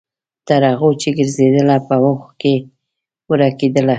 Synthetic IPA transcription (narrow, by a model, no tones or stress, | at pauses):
t̪aɾaɣot͡ʃeɡəɾzed̪əlapəwʊxke | wəɾaked̪əla